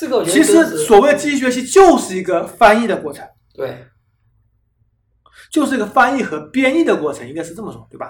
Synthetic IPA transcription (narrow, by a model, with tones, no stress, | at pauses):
t͡ɕʰi˧˥ʂɻ̩˧˥swɔ˨˩we˥˩ɪd̪ə˩t͡ɕi˥i˥˩ɕɥɛ˧˥ɕ̬i˥t͡ɕjo˥˧ʊʂɻ̩˥˩i˧˥ɡə˧fa˥ni˥˩d̪ə˩kwɔ˥˩ʈ͡ʂʰɤ˧˥ŋ | t̪w | t͡ɕjo˥˧ʊʂ̬ɻ̩˥˩i˧˥ɡə˧fa˥ni˥˩xɤ˧˥pjɛ˥ni˥˩d̪ə˩kwɔ˥˩ʈ͡ʂʰɤ˧˥ŋi˧˥ŋkʂɻ̩˥˧ʈ͡ʂɤ˥˩mə˩ʈ͡ʂʊ˨˩˦ŋt̪we˥˩bɐ˩